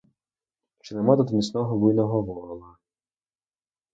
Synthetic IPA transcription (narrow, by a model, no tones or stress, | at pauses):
ʃt͡ʃɛnɛmad̪ɔd̪mʲisnɔɦɔʋujnɔɦɔʋɔɾɪlˠɐ